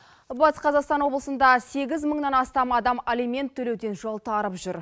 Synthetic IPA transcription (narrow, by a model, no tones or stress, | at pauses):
bɑt̪sqʰɑzɑqst̪ɑnwo̞blˠəsənd̪ɑse̞ɡʲɪzməɴnɑnɑst̪ɑmɑd̪ɑmalʲijmʲe̞nt̪ʰːɵle̞wd̪e̞nʒo̞lˠt̪ʰɑɾəpʒʏɾ